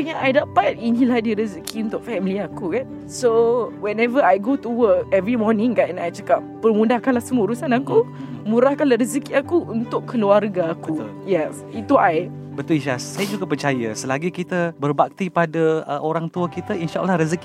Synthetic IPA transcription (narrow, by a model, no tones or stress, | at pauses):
əɲaʔajdaʔpat̪̚inĩlahdiɾəzəkʰiunt̪ʊk̚fɛmiliakuɡa | sowɛnɛvəajɡotuwəkɛvɾimɔnĩŋkatɛ̃najt͡ʃakap̚ːərmũdahkalahsəmuɾusanakumũɾahkalaɾəzəkiakuunt̪ʊkkːəluarɡaːkuljɛs | it̪uaj | bət̪ʊliʃasajad͡ʒuɡapərt͡ʃajə̰səlaɡikit̪əbərbak̚t̪ipadaə̰ʔoɾaŋt̪uəkit̪əinʃaʔəlːahɾəzəki